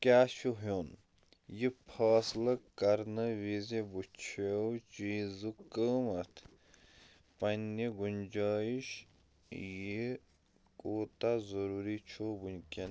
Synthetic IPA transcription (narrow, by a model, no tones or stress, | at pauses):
kʲaːʃuɦjon | jipʰaːslɐkɐɾnɐʋizebut͡ʃʰewt͡ʃiːzɨkəːmɐt̪ʰ | pɐnːiɡund͡ʒaːjiʃ | ji | koːt̪azɐɾuːɾit͡ʃʰoːbunʲkʲin